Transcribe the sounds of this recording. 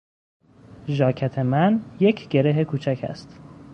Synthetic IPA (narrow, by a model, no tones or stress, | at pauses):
ʒɒːcʰæt̪ʰe̞mænje̞cʰɟ̥e̞ɾeɦekʰuːt͡ʃʰæcʰæ̰st̪